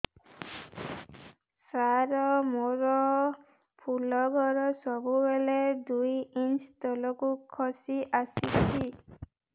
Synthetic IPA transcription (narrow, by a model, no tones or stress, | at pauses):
saɾɔmoɾɔ | pʰulɔɡʱɔɾɔsɔbubeled̪ujinst̪ɔlɔkukʰɔsiʔasit͡ʃʰi